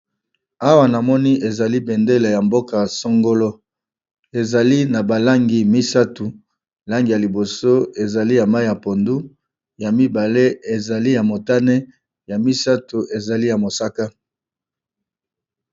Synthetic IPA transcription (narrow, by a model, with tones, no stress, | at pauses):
a˦wa˨na˨mɔ˦ni˦e˨za˨li˦be˨nde˦le˨ja˨mbo˦ka˨so˦ŋɡo˦lo˦ | e˨za˨li˦na˨ba˨la˦ŋɡi˨mi˦sa˦tu˨ | la˦ŋɡi˨ja˨li˨bo˨so˦e˨za˨li˦ja˨ma˦i˦ja˨po˨ndu˦ | ja˨mi˦ba˨le˦e˨za˨li˦ja˨mo˨ta˦ne˦ | ja˨mi˦sa˦tu˨e˨za˨li˦ja˨mo˨sa˦ka˦